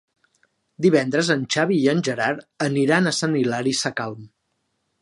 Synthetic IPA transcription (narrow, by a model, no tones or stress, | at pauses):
d̪iβ̞ɛnd̪ɾəzənʲt͡ʃaβ̞iːənʲʒəɾaɾəniɾanəsənilaɾisəkalˠm